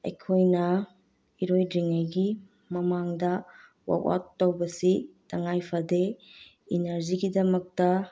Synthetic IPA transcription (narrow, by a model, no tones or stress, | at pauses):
ɐ̰jkʰojnɐ | iɾojdɾiŋajɡi | mɐmaŋdɐ | wa̰wa̰tːowbɐsitʰɐŋajpʰɐde | inɐɾziɡidɐmɐk̚tɐ